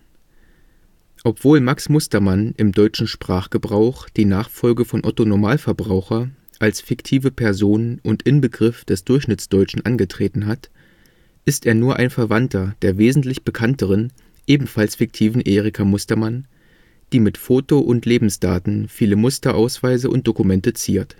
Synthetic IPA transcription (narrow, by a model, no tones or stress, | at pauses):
ʔɔpv̥oːlmaksmʊstɐmanʔɪmdɔʏt͡ʃn̩ʃpʁ̥aːχɡ̥əbʁaʊχd̥iːnaːχfɔlɡəfɔnʔɔtonomaːlfɛɐbʁaʊxɐ | ʔalsfɪktʰiːvəpʰɛɐzoːnənʔʊntʔɪnbəɡʁɪfd̥ɛsd̥ʊɐçʃnɪt͡sd̥ɔʏt͡ʃn̩ʔanɡətʁ̥eːtn̩ɦat | ʔɪsteːɐnuːɐʔa̰ɪnfɛɐvantʰɐd̥eːɐveːzn̩tlɪçb̥əkʰantəʁən | ʔeːbm̩falsfɪk̚tʰiːvn̩ʔeːʁɪkʰamʊstɐman | d̥iːmɪtfoːtoʔʊntleːbm̩sd̥a̰ːtn̩fiːləmʊstɐʔaʊsv̥aɪzəʔʊ̰nt̚d̥okumɛntət͡sḭːɐt